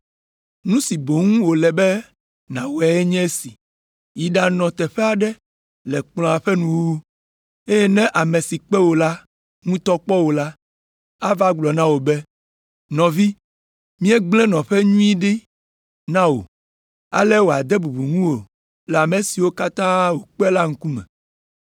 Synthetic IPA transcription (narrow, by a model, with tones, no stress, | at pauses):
nũ˦si˨bo˨ŋũ˦wo˨lɛ˨bɛ˦ | nã˨wo˨a˨˦ɛ˦ɲɛ̃˦e˦si˨ | ji˨ɖa˨nɔ̃˨t̪ɛ˨ɸɛ˦a˨ɖɛ˦ | lɛ˨k͡plɔ̃˨a˨ɸɛ˦nũ˦wu˦ | e˦jɛ˦nɛ̃˦ʔa˨me˨si˨k͡pɛ˦wo˨la˦ | ŋũ˦t̪ɔ˦k͡pɔ˦wo˨la˦ | a˦va˦ɡ͡blɔ˨nã˦wo˨bɛ˦ | nɔ̃˨vi˦ | mĩ˦ɛ˦ɡ͡blɛ̃˦nɔ̃˨ɸɛ˦ɲũ˦i˦ɖi˦ | nã˦wo̰˨ | a̰˦lɛ˦wo˨a˨d̪ɛ˦bu˨bu˨ŋũ˦wo˨ | lɛ˨a˨me˨si˨wo˦ka˦t̪ã˦wo˨k͡pɛ˦la˦ŋ̩˦ku˦mɛ̰̃˨